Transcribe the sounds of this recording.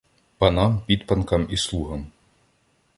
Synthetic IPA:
pɐnɑmpʲid̪pɐnkɐmislˠuɦɐm

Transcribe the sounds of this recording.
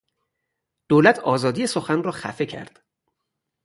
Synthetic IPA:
d̪̥oːlæt̪ʰɒːzɒːd̪ijesoxænrɒːxæ̰fe̞cʰæ̰ɾd̪̥

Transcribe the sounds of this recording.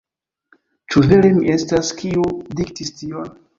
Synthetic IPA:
t͡ʃuveɾemiʔe̞staskiudik̚tistion

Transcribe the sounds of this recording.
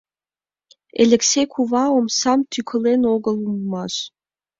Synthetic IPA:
eleksejkʷʰuvawɔmsamt̪ʰykʷʰɨlenoɡəlumːaɕ

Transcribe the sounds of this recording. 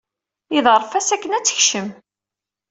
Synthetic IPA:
iðəɾˤfæsækːənæt͡sːə̥çʃəm

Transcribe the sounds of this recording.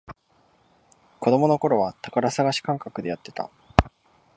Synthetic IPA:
ko̞d̪o̞mo̞no̞ko̞ɾo̞βat̪akaɾasaɡaɕi̥kãŋkakɯ̟d̪e̞jat̪ːe̞̥t̪a̰

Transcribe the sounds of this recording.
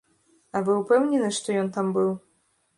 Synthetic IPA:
ɐvɨupɛwnʲɛnɨʂt̪ɔjɔnt̪ambɨw

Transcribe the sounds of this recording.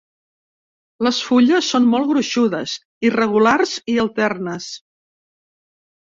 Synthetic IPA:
ləsfuʎəsːonmɔlˠɣɾuʃuðəz | irəɣ̞ularziəlˠt̪ɛrnəs

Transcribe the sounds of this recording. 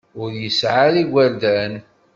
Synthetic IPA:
ʊɾjəsʕaliɡʷæɾd̪æn

